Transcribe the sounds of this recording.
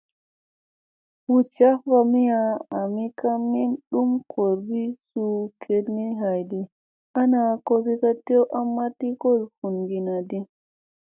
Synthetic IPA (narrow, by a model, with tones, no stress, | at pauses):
wu˦t͡ʃa˦va˧mi˦jaː˧˨mi˦ka˦mi˦nɗu˦mkʰo˨ɾbi˦su˧kʰe˨dni˦ɦa˨jdi˦ | a˦na˧ko˦si˦ka˦te˦ʔa˦mːa˦ti˦ko˦˨lfu˨nɡi˨na˨di˦